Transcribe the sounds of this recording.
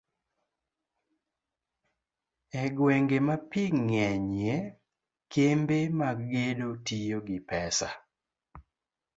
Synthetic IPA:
ɛɡweŋɡemapiŋɛɲje | kʰembemaɡɡedotijoɡɪpɛsa̰

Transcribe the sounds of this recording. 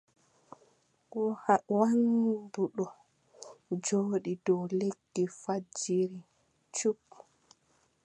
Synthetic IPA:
hawanduɗɔ | d͡ʒoːɗidɔwleɡifad͡ʒiɾi | t͡ʃup

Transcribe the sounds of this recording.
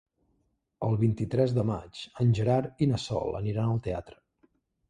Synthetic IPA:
əlˠβint̪it̪ɾɛzðəma̰t͡ʃənʲʒəɾaɾinəsɔ̰lˠə̰niɾanəlˠt̪eat̪ɾə̥

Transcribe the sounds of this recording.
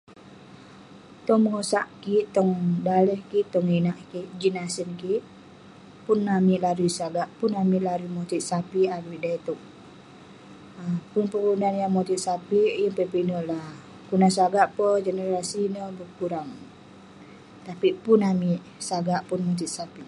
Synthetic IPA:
t̪ɔŋməŋosaʔkiʔt̪ɔŋdaləhkiʔt̪ɔŋinaʔkiʔd͡ʒinasənkiʔ | punːamiʔlaɾusaɡaʔpunamiʔlaɾimɔt̪it̪sapiaɾiʔdait̪ɔk | əpunpəɾunanjaŋmɔt̪it̪̚sapijəŋpəpinɔʔlah | kunasaɡaʔpɔd͡ʒɛnəɾasinəbəkuɾaŋ | t̪apipunamiʔ | saɡaʔpunmot̪̬it̪̚sapi

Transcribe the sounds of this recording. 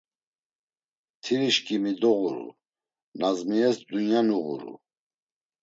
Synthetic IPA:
t̪ʰiɾiʃkʼimid̪ɔɣuɾṵ | nazmiɛsd̪unjanuɣṵɾṵ

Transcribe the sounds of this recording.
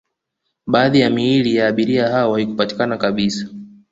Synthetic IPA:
ɓaːðijamiilijaːɓiɾiaɦaɔwahikupati̥kanakaɓisḁ

